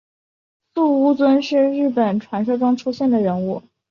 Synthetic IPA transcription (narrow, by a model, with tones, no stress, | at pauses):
su˥˧u˥˧t͡swə˥nʂɻ̩˥˧ɻɻ̩˥˩pə˨˩nʈ͡ʂʰwa˧˥nʂɤ˥ʈ͡ʂʊ˥ŋʈ͡ʂʰu˥ɕjɛ˥˩nd̪ə˩ɻə˧˥nu˥˩